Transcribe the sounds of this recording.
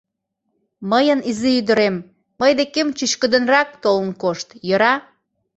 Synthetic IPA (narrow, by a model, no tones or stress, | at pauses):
məjənizeyd̪əɾemː | əjd̪ekemt͡ɕyʃkə̆d̪ə̆nrɑk̚t̪olənkoʃt̪jɤɾɑ